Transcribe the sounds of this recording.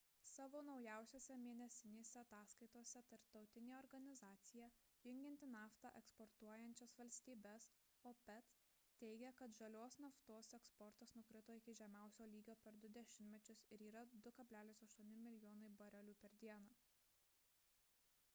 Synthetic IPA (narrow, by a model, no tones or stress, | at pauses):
sɑːʋoːnɒʊjæˑʊsʲoːsʲɛmʲiɛnʲɛsʲɪnʲeːsʲɛɐt̪ɑːskɐɪt̪oːsʲɛt̪ɐɾp̚t̪ɒʊt̪ʲɪnʲeːɔːɾɡɐnʲɪzɑːt̪sʲɪjæjʊŋʲɡʲɪnʲt̪ʲɪnɑːft̪ɑ̰ʔɛkspɔɾt̪uɔjɛnʲt͡ʃʲɛsʋɐlʲsʲt̪ʲiːbʲɛs | oːpʲɛt̪s | t̪ʲɛɪɡʲɛkɐt̪ʒɐlʲoːsnɐft̪oːsɛkspɔɾt̪ɐsnʊkɾʲɪt̪oːɪkʲɪʒʲɛmʲæˑʊsʲoːlʲiːɡʲoːpʲɛɾd̪ʊd̪ʲɛʃʲɪnʲt̪ʲmʲɛt͡ʃʲʊsɪɾiːɾɐd̪ʊkɐbʲlʲæːlʲɪsɐʃt̪uɔnʲɪmʲɪlʲɪjoːnɐɪbɐɾʲɛlʲuːpʲɛɾd̪ʲiɛnɑː